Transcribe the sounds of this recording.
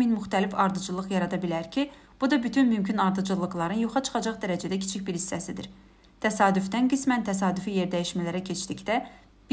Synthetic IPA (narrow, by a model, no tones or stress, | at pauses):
minmyxt̪ʰælifɑɾd̪ɯd͡ʒɯlˠɯɣjɑɾɑd̪ɑbilæɾcʰi | b̥ud̪ɑbyt̪ʰynmymcʰynɑɾd̪ɯd͡ʒɯlˠːɯɣlˠɑɾɯnjoχɑt͡ʃʰɯ̥χɑd͡ʒɑχd̪æɾæd͡ʒæd̪æcʰi̥t͡ʃʰicbiɾhisːæsid̪ḭɾ | t̪ʰæsɑːd̪yfd̪ænɡismænt̪ʰæs̬ɑːd̪yfije̞ɾd̪æjiʃmælæɾæcʰe̞t͡ʃd̪icd̪æ | b